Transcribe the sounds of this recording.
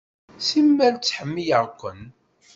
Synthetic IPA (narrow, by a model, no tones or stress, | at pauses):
simːælt͡sːħəmːijəʁkʷːə̰n